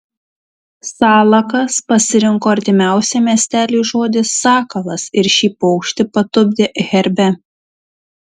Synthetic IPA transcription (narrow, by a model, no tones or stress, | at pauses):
sɑːlˠɐkɐspɐsʲɪɾʲɪŋkoːɐɾʲt̪ʲɪmʲæˑʊsʲɛmʲiɛsʲt̪ʲæːlʲuːʒoːd̪ʲɪsːɑːkɐlˠɐsɪɾʃʲiːpɔʊkʃʲt̪ʲɪpɐt̪ʊbʲd̪ʲeɣʲɛɾʲbʲɛ